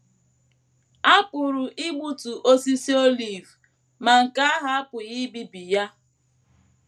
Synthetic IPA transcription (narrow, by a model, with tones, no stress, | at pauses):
a˦k͡pʊ˨ɾʊ˨ʔɪ˦ɡ͡bu˦tu˨ʔo˦si˦si˦o˦li˨v | ma˨ŋ̩˨ka˦a˦ɦa˦a˦pʊ˨ɣi˦bi˦bi˨ja˦